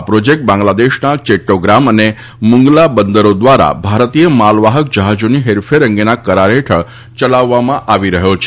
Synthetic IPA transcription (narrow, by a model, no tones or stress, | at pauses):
pɾod͡ʑek̚ʈ̚bãŋɡlad̪eɕnat͡ɕeʈːoɡɾaməne | muŋɡlabənd̪əɾod̪ʋaɾa̰bʱaɾt̪ijəmalʋaɦək̚d͡ʑəɦad͡zuniɦeɾfeɾəŋɡenakəɾaɾeʈʰəɭ | t͡ɕəlaʋːamãʔaʋiɾəɦjot͡ɕʰe